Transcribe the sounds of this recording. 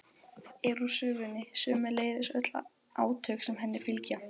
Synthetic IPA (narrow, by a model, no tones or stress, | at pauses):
eɾusʏːvʏnːɪsʏːmɪleːjðɪsœt̪la̰ | ʔa̰ːwt̪ʰœxsɛmɦɛnːɪfɪlca